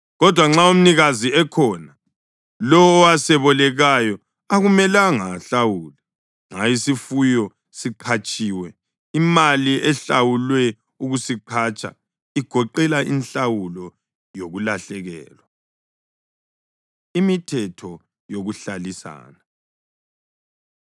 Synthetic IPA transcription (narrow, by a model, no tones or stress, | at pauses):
ɣɔd̥ʱwaŋ͡ǁaum̩niɣaziɛkʰɔna | lɔwɔasɛβɔlɛɣajɔ | aɣumɛlaŋaɬawuːlɛ | ŋajisifujɔ | siǃʰat͡ʃʼiːwɛ | imaliɛɬawulwɛ | uɣusiǃʰat͡ʃʼa̰ | iɡ̥ʱɔǃɛlaʔinɬawulɔ | joɣulaɬɛɣɛ̰ːlwa | imitʰɛtʰɔ | joɣuɬalisa̰ːna